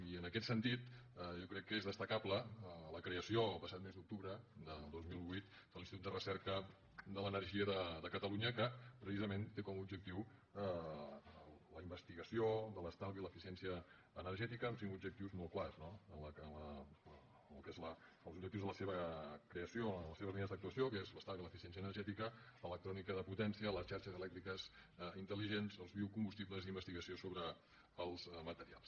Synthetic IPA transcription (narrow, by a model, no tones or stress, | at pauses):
iənəkɛt̪sənt̪it̪jɔkɾɛkːəezðəst̪əkabləələkɾeəsioəlˠpəsat̪mezd̪uk̚t̪uβɾəd̪əlˠd̪ozmilˠβujt̪ | d̪əlinstit̪ut̪d̪ərəsɛɾkə | d̪ələnərʒiəðəðəkət̪əluɲəkəpɾəsizəment̪ekɔmubd͡ʒək̚t̪iwə | lləimbəst̪iɣəsiod̪ələst̪alðiləfisiɛnsiəː | nəɾʒɛt̪ikəːmsiŋkubd͡ʒək̚t̪iwzmolˠklaznoələnlə | lkezləəlˠzub̚d͡ʒəkt̪iwzðələseβəkɾeəsioləseβ̞əzlinəzðək̚t̪uəsiokezləst̪alˠɣiləfisjɛns̬iənəɾʒɛt̪ikəələk̚t̪ɾɔnikəðəput̪ɛnsiələsʃaɾʃəzəlɛk̚t̪ɾikəzint̪əliʒenzəlˠzβiwkumbust̪ipləzðimbəst̪iɣəsiosoβɾə | əlˠzmət̪əɾia̰lˠs